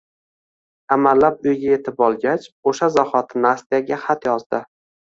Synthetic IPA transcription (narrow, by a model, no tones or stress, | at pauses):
amalːapʊjɡʲaje̞t̪ʰɪpɒlˠɡʲat͡ʃoʃazaχɒt̪ʰɪnɪast̪ijaɡʲaχat̪jɒzd̪ɪ